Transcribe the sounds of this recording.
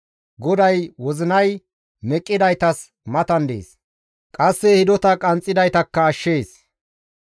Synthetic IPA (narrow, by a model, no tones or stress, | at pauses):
ɡɔd̪ɐjwɔzɪnɐj | mɛkʼːɪd̪ɐjt̪ɐs | mɐt̪ɐnd̪ḛːs | kʼɐsːɛhɪd̪ɔt̪ɐkʼɐnt͡sʼːɪd̪ɐjt̪ɐkːɐːʃːeːs